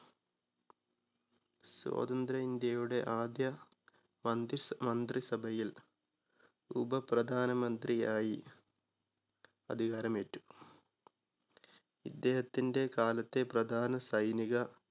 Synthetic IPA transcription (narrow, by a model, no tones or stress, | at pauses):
swo̰ːd̪ɐnd̪ɾɐind̪jɐjuɽe̞ʔaːd̪jɐ | mɐnd̪mɐnd̪risɐbʱɐjil | ṵbɐprɐd̪ʱaːnɐmɐnd̪riaːji | ɐd̪ʱiɣaːɾɐmetːu̥ | id̪ːe̞ːhɐt̪ːinde̞kaːlɐt̪ːe̞prɐd̪ʱaːnɐsɐjniɣɐ